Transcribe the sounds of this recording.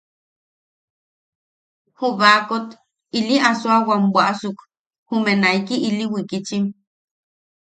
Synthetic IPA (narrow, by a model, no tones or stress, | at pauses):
huβakot̪ | iliʔasoawambʷaʔsuk | humenaikiʔiliwikit͡ʃim